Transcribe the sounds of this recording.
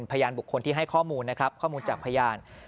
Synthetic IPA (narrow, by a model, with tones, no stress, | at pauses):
npʰa˧jaː˧nbu˨˩kʰːo˧nt̪i˥˩ɦa˥˩jkʰɔː˥˩muː˧nːa˦˥kʰɾa˦˥p̚kʰɔː˥˩muː˧nt͡ɕaː˨˩k̚pʰa˧jaː˧n